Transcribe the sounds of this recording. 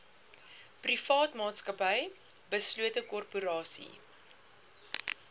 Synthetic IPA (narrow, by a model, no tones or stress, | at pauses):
prifɑːtmɑːtskəpəj | bəsluətəkɔrpuɾɑːsḭ